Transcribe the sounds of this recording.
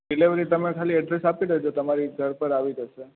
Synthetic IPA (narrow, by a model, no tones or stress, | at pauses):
ɖileʋəɾit̪əmekʰaliəɖɾesapid̪əɦod͡ʒot̪əmaɾiɡʱəɾpəɾaʋid͡ʒ̪ʱəʃe